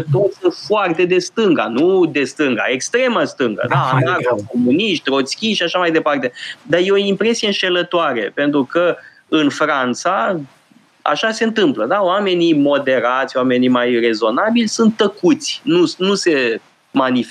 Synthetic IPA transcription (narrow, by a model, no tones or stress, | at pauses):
t̪orsunt̪foart̪e̞d̪e̞st̪ɨŋɡa̰nud̪e̞st̪ɨŋɡa̰e̞kst̪ɾe̞məst̪ɨŋɡə̰d̪anakoomuniʃt̪ɾo̞t̪skʲiʃiaʃamajd̪e̞part̪e̞d̪ajeoimpɾe̞sijeɨnʃe̞lət̪oaɾe̞̰pe̞nt̪ɾukə | ɨnfɾant̪sa | a̰ʃase̞ɨnt̪ɨmpləd̪aoame̞nimo̞d̪e̞ɾat̪sʲwame̞nimajre̞zo̞nabilʲsunt̪ːəkut̪sʲnunuse̞ | manif